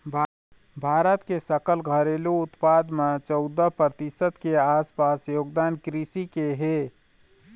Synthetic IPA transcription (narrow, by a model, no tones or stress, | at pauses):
bʱ | bʱaːɾət̪kesəkəlɡʱəɾeːluʊt̪paːd̪mẽt͡ʃɔʊd̪əpɾət̪ɪsət̪keaːspaːsjoːɡd̪aːnkɾisikeɦeː